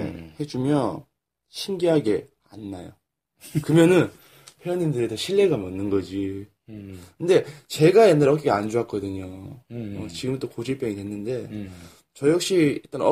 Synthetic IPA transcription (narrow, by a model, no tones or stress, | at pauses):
he̞d͡ʑumjʌn | ɕʰimɡiɦaɡe̞ | a̰nːajo̰ | kɯmjʌnɯn | pʰjojʌnindɯɾetʰʌɕʰiɭːe̞ɡamʌnːɯnɡʌd͡ʑi | kɯnde̞t͡ɕe̞ɡajenːaɾʌk̬͈ekʰeand͡ʑuɦak͈ʌdɯɲoʌt͡ɕiɡɯmnt͈okod͡ʑip͈jʌŋidɦe̞nːɯnde̞ | t͡ɕʌjʌk̚ɕ͈it͈ʌnʌ